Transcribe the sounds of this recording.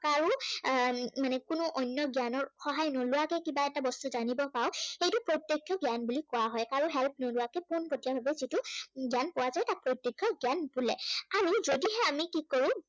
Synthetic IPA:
kaɹu | manɛkʊnʊʔɔnːjɔɡjanɔɹxɔɦajnolʊwakɛkibaɛtabɔstuzanibɔpaʊxejtʊpɹojtjekʰjɔɡjanbulikɔwaɦɔjkaɹuɦɛlp̚ʰnolʊwakɛponkotijabʱabɛzitʊɡjanpɔwazajtak̚pɹojtjekʰːjɔɡjanbulɛ̰aɹuzodiɦɛamikikoɹʊ̃

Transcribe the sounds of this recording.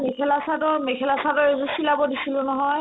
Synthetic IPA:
mekʰɛlasatɔɹmɛkʰɛlasatɔɹezusilabɔdisilʊ̃nɔɦɔj

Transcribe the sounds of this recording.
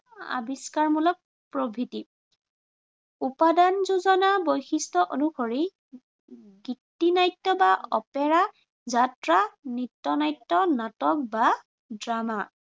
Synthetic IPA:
a̰biskaɹmulɔk̚ | pɹobʱiti | upadanzuzɔnabojxistɔʔonuxoɹi | ɡitːinajtːɔbaɔ̰pɛɹa | zatɹanitːɔnajtːɔnatɔk̚ba | dɹama

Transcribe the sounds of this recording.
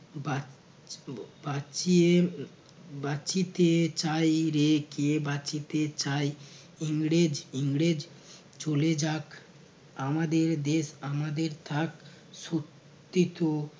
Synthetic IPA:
ba | bat͡ɕie | bat͡ʃit̪et͡ɕajɾekeebat͡ɕit̪et͡ɕaj | iŋɽed͡ʑiŋɽed͡ʑ | t͡ɕoled͡ʑak | amad̪eɾd̪eʃamad̪eɾt̪ʰak | sot̪ːit̪o

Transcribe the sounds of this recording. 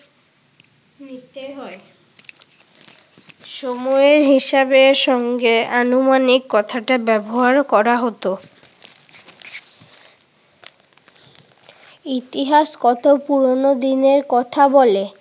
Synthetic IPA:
nit̪eɦɔe | ʃomɔeɾɦiʃabeɾʃɔŋɡeanumanikːɔt̪ʰaʈabɛboɦaɾkɔɾaɦot̪o | it̪iɦaʃkɔt̪opuɾonod̪ineɾkɔt̪ʰabɔle

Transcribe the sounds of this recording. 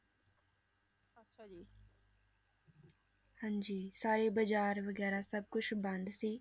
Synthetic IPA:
hãɲd͡ʒiːsaːɾebəd͡ʒaːɾʋəɡɛːɾasəb̚kʊt͡ʃʰbə̃nd̪siː

